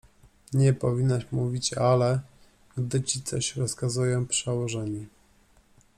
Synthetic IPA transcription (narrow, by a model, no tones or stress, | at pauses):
ɲɛpɔvʲinːaʂmuvʲit͡ɕalɛ | ɡd̪ɘt͡ɕit̪sɔɕɾɔskazujɔ̃w̃pʂɛwɔʐɛɲi